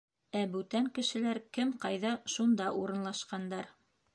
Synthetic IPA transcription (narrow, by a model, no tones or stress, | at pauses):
æbʉt̪æŋkɘ̆ʃɘ̆læɾkɘmqɑjðɑʃund̪ɑʔuɾɤ̆nlˠɑʃqɑnd̪ɑɾ